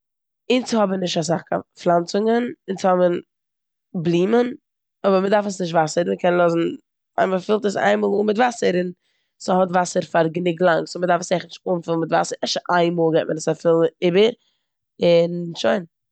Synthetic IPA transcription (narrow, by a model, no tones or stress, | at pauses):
ɪnt͡sɪhɔbənɪʃtas̬aχka̰flˠant͡sʊŋənɪnt͡sɪhɔbən | blˠiːmən | ɔbəɾmədaɾfəsnɪʃ̬tvasəɾməkʰɛnlˠɔzn̩ | a̰ɪ̃mfafɪlˠtəsa̰ɪnmoːlˠuːmɪtvasəɾɪn | səhɔtvasəɾfaɾɡənɪɡlˠaŋsʊmədaɾfəsaɪχnɪʃtuːmfɪlˠn̩mɪtva̰səɾɛʃtʔaɪnmɔːlˠɡɛt̚mənəsafɪlˠɪbəɾ | ɪnʃoɪn